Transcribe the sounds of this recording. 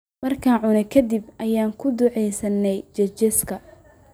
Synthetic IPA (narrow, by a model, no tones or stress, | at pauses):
mɐrkʰaːnʕʊnɛkʰɐd̪ibʔɐjaːŋkʰʊd̪ʊʕɛjsɐnːɛjt͡ʃɐt͡ʃɛskʰɐ